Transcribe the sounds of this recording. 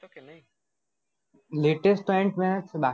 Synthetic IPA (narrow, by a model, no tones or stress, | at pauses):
leːʈesʈ̚pɔ̃ɪ̃ɳʈmẽsebaː